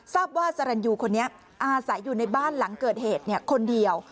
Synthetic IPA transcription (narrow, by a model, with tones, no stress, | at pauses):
saː˥˩p̚waː˥˩sa˧ɾa˧njuː˧kʰo˧nːi˦˥ɐ | ʔaː˧sa˩˦jːuː˨˩na˧jbaː˥˩nla˩˦ŋkɤː˨˩t̪̚heː˨˩t̪̚ni˥˩ɐkʰo˧ndi˧əw